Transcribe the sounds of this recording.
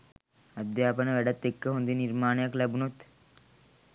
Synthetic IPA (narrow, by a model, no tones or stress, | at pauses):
ɐd̪jaːpənəʋæɖat̪ːekːəɦond̪inirmaːnəjaklæbunut̪